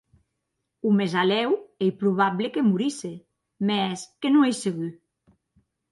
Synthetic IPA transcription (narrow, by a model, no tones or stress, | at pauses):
umezalɛwejpɾuβ̞aβlekemuɾise | mɛskenũejseɣu